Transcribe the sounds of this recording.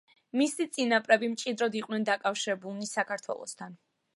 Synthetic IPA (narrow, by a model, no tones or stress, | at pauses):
misit̪sʼinapʼɾɛbimt͡ʃʼid̪ɾɔd̪iqʼnɛnd̪akʼafʃiɾɛbulˠnisakʰaɾt̪ʰwɛ̰lˠɔ̰st̪ʰan